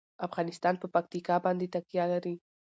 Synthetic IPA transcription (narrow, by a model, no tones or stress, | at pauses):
afɣɑnɪst̪ɑnpəpak̚t̪ikɑbɑnd̪et̪aqjalaɾi